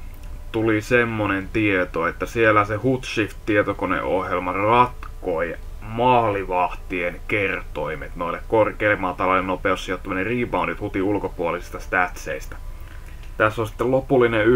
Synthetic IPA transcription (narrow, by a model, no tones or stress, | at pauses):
t̪ulisemːonent̪iet̪oet̪ːæsielːæsehut̪ʃift̪tiet̪okonḛʔo̰hjelmɑrɑt̪koj | mɑːliʋɑht̪ienkert̪oimet̪noilːekkorkeilːemːɑt̪ɑlɑlenopeosːijot̪ːɑmøneriːʋɑundit̪hut̪iulkopuolisist̪ɑst̪æt̪sḛist̪æ̥ | t̪æsːonsi̥t̪ːellopulːine